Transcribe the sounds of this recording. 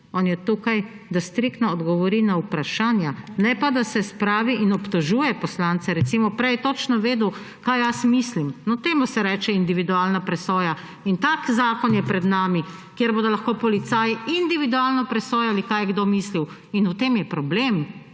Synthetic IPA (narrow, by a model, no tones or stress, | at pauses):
ɔːnjɛt̪uːkaj | d̪ast̪ɾikt̪nɔːd̪ɡɔʋɔɾinaupɾaʃaːnjanɛpad̪asɛspɾaːʋiʔinɔpt̪ɔʒuːjɛpɔslant̪sɛɾɛt̪simɔpɾɛjɛt̪ot͡ʃnɔʋeːd̪u | kajjasmislimnɔt̪eːmusɛɾɛːt͡ʃɛind̪iʋid̪uaːlnapɾɛsoːja | int̪akzaːkɔnjɛpɾɛd̪naːmi | kjeɾboːd̪ɔlaxkoːpɔlit̪saːjiind̪iʋid̪ualnɔpɾɛsoːjalikaːjɛɡd̪oːmisliw | inut̪emjɛpɾɔbleːm